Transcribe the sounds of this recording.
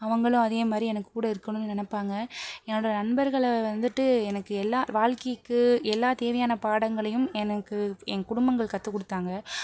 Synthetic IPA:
ɐʋɐŋɡɐɭʊ̃ɐðeːmaːd̪ɾiɛnɐkːɯ̥kuːɽɐɪɾɯkːɐnʊ̃nːɯnɛnɐpːaːŋɡɐɛnːoːɽɐnɐɳbɐɾɣɐɭʋɐnd̪ɯʈːɯɛnɐkːɯɛlːaːʋaːɻkɐjɯkːɯɛlːaːt̪eːʋɐjaːnɐpaːɽɐŋɡɐɭɐjɯmɛnɐkːɯɛŋkʊɽʊmbɐŋɡɐɭkɐt̪ːɯkːɔɽɯt̪ːaːŋɡɐ

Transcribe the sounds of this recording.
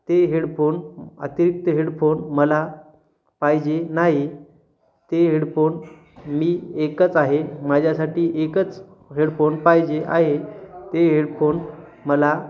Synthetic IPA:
t̪eɦeɽfonə̰t̪iɾik̚t̪əɦeɽfonməla | pajd͡ʑenaɦi | t̪eɦeɽfon | miːekət͡saɦeməd͡ʑʱjasaʈiːʔekət͡s | ɦeɽfonpajd͡ʑeʔaɦet̪eɦeɽfon | məla

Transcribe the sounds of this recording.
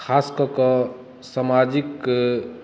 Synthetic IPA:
kʰaskɔkɔ | samad͡ʒik

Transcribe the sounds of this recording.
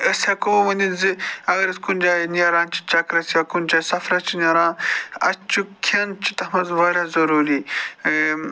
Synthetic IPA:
əsʲɐkoʋɐninziɐɣɐɾɐskunʲd͡ʒaːnijɐɾãːnt͡ʃi̥t͡ʃɐkɾɐsɐkund͡ʒaːsɐfɾɐt͡ʃinʲɐɾãːnɐ̰t͡ʃukʰɐnt͡ʃi̥t̪ɐmɐzʋɐɾʲɐzɐɾuːɾiː

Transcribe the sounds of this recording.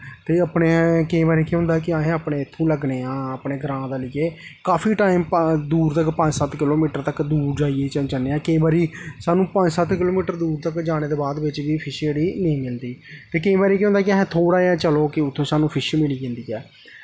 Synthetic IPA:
t̪eːapɳeːkĩːbaːɾeːkeːɦʊ̃nd̪aːkɪaːɦẽːaːpɳeːɪt̪ʰːũːləɡneːãːəpɳeːɡəɾãːd̪aːlɪːeː | kaːpʰiːʈaːimd̪uːɾt̪əkpə̃ɲd͡ʒsət̪kɪloːmiːʈəɾt̪əkd̪uːɾd͡ʒaːijeːt͡ʃət͡ʃəneːãːkəĩːbaːɾiːsaːnũːpəɲd͡ʒsət̪kɪloːmiːʈəɾd̪uːɾt̪əkd͡ʒaːɽ̃eːd̪eːbaːd̪ʋɪt͡ʃʋiːpʰɪʃeːɽiːneĩːmɪld̪iːt̪eːkəĩːbaːɾeːkiɦʊ̃nd̪aːkɪaɦẽːt̪ʰoːɽaːɛːt͡ʃəloːkɪʊt̪ʰːõːsaːnũːpʰɪʃmɪliːd͡ʒẽːnd̪iːɛː

